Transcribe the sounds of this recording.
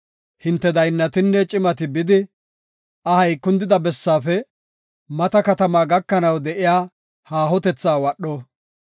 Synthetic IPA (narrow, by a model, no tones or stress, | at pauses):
hɪnt̪ːɛd̪ɐjnːɐt̪ɪnːɛt͡ʃʼɪmɐt̪ɪbɪd̪ɪ | ɐhɐjkːʊnd̪ɪd̪ɐbɛsːaːfɛ | mɐt̪ɐkɐt̪ɐmaːɡɐkːɐnɐwd̪ɛʔɪjaː | haːɦɔt̪ɛt͡sːaːwɐɗːɔ